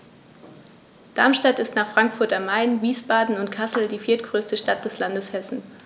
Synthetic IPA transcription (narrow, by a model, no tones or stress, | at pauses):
d̥aɐmʃtatɪstnaːχfʁ̥aŋkfʊɐtamːaɪnviːsb̥aːdn̩ʊntkʰasl̩diːfiːɐtɡ̥ʁøːstəʃtat̚d̥ɛslandəshɛsn̩